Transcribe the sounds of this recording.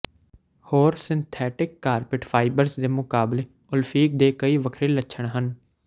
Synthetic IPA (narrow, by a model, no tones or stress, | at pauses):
hoːɾsɪnt̪ʰɛːʈɪkːaːɾpɪʈfʰaːibəɾzd̪eːmʊkaːbleː | ʊlfʰiːk̚d̪eːkəiːʋəkʰɾeːləʃʰəɳɦən